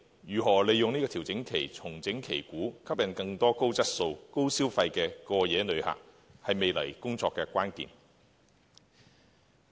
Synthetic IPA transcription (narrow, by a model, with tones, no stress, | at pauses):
jyː˨˩ɦɔː˨˩le˨˧jʊ˨ŋniː˥kɔː˧t̪ʰi˨˩wt͡sɪ˨˥ŋkʰe˨˩jt͡sʰʊ˨˩ŋt͡sɪ˨˥ŋkʰḛ˨˩jkuː˨˥kʰɐ˥p̚jɐ˨˧nkɐ˧ŋt̪ɔː˥ko˥wt͡sɐ˥t̚so˧wko˥wsiː˥wfɐ˧jkɛː˧kɔː˧jɛː˨˥nɵ˨˧ɥha̰ː˨˩k̚ | hɐ˨jme˨jlɐ̰˨˩jkʊ˥ŋt͡sɔː˧kːɛː˧kʷaː˥nkḭː˨n